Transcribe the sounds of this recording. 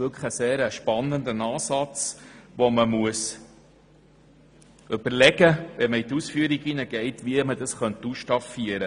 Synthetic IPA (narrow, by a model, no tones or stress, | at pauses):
ʋʏlkʰəχəseːɾəʃpɑnːənd̪ənɑːsɑt͡sʋɔməmuəs | ʏb̥əɾlɛɡəʋɛməit̪usfyəɾiɡinəɡ̥ɛɪtʋiəmədɑsχœnt̪usʃtɑfiəɾə